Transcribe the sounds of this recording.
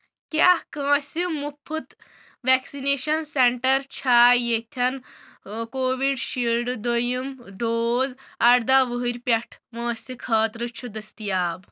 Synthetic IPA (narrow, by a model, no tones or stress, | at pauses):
kjahkə̃ːsimupʰːut̪ | ʋɛksineɕɐnseɳʈɐɾt͡ɕʰajet̪ʰan | koːʋiɖɕilɖd̪ojimɖoːd͡zaɽd̪aʋəɦɾʲpʲɐʈʰmɐ̃ːsʲikʰɐːt̪ɾɨt͡ʃʰud̪ɐst̪ijaːb